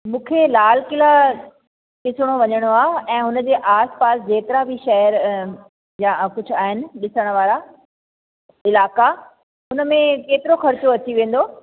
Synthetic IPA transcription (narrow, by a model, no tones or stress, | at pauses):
mũːkʰelaːlkɪla | kɪsʊɽ̃oʋɐɲəɽ̃oaːɛ̃ːɦʊnə̆d͡ʑeːʔaːspaːsd͡ʑeːk̪ɪɾabʱiʃɐɦəɾ | jãkʊd͡ʑʱʊ̆aːɦɪnɪ̆ɗɪsəɽ̃ʋaːɾa | ɪlaːka | ʊnəmẽkeːt̪ɪɾoxɐɾt͡ɕoɐt͡ɕiʋẽːn̆d̪oː